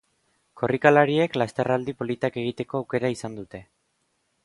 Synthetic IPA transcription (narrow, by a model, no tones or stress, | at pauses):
kʰo̞rikalaɾie̞klast̪e̞rald̪ipo̞lit̪ake̞ɣit̪e̞ko̞awke̞ɾaisand̪ut̪e̞